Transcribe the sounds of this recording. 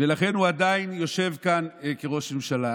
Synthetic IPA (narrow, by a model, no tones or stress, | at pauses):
velaχe̞nhuad̪ainjo̞ʃe̞vkankeʁo̞ʃmemʃala